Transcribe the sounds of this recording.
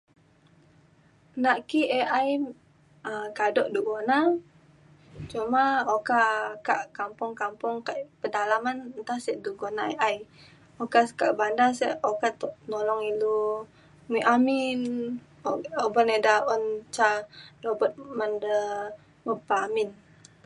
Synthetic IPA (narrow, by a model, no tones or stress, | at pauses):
naʔkieʔaj | əkadɔʔduɡona | t͡ʃumaokakaʔkampʊŋkampʊŋkaʔpədalamannt̪asɛʔduɡonaeʔaj | okaskaʔbandasɛʔokat̪ɔʔnɔlɔŋilu | miʔamin | obɔnedaɔnt͡ʃadobət̪̚mandə | məpamin